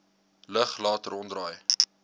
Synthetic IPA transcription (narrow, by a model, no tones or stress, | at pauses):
ləχlɑːtəɾɔndrɑːj